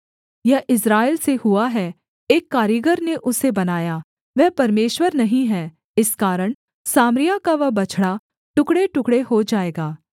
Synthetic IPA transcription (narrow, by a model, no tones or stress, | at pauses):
jɐʔɪsɾaːɪlsehuaɦɛ | eːkːaːɾiəɡəɾneʔʊsebɐnaːjaː | ʋɛːpɐɾmeːʃwəɾnɐɦĩɦɛː | ɪskaːɾəɽ̃ | saːmɾɪjakaʋɐbɐt͡ʃʰɽa | ʈʊkɽeʈʊkɽehod͡ʒaːeːɡaː